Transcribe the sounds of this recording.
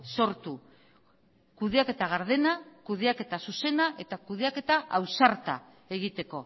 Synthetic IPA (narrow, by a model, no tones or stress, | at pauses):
so̞ɾt̪u | kuðeake̞t̪aɣ̞aɾð̞e̞nakuðeake̞t̪asuse̞naʔe̞t̪akuð̞eake̞t̪aʔawsaɾt̪a̰ | e̞ɣit̪e̞ko̞